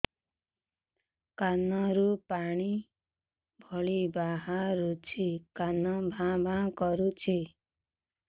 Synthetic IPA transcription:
kanɔɾupaɽ̃i | bʱɔɭibaɦaɾut͡ʃʰikanɔbʱãbʱãkɔɾut͡ʃʰi

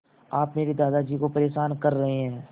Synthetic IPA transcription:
aːpmeːɾed̪aːd̪ad͡ʒiːkopɐɾeːʃaːnkɐɾːɐɦeɦɛ̃ː

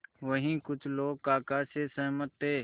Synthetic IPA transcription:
ʋəɦĩːkʊt͡ʃʰloːɡ̚kaːkaːseːsəɦmət̪ːeː

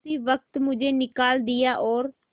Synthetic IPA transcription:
iːʋək̚t̪mʊd͡ʒeːnɪkaːld̪ɪjaːʔɔːɾ

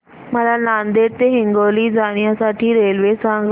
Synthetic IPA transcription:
məlanand̪eɾt̪eɦiŋɡoliːd͡zaɽ̃jasaʈʰiːɾelʋesãŋɡ

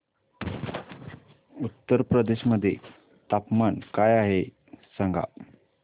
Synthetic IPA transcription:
ut̪ːəɾpɾəd̪eɕməd̪ʱːjḛ | t̪apmankajaɦe | saŋɡʱa̰

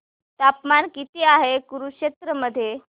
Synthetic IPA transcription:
t̪apmankit̪eaɦekuɾukɕet̪ɾəməd̪ʱːje

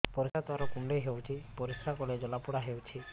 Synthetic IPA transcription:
pɔɾisat̪aɾɔkuɳɖejɦewt͡ʃʰipɔɾiskʰakɔled͡ʒɔlapuɽaɦewt͡ʃʰi

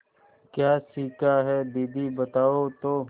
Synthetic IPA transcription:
kjaːsiːkaɦɛːd̪iːd̪ibət̪aːot̪oː

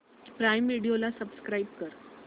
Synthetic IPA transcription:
pɾajmːiɽijolasəbskɾaib̚kəɾ

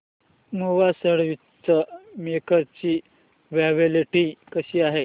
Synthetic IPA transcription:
muʋasəɽʋi | t͡səmekəɾt͡ɕiː | ʋjaʋeleʈiːkəɕiːaɦe

